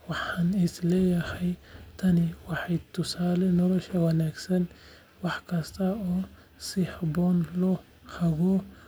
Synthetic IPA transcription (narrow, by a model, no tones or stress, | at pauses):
wɑħɐnɪslɛjɐhɐjt̪ʰɐnɪwɑħajt̪ʰʊsaːlɛnɔlɔʃɐwɐnaɡsɐn | wɑħkʰɐst̪ʰɐɔ | siħbɔnlɔ | hɐβɔ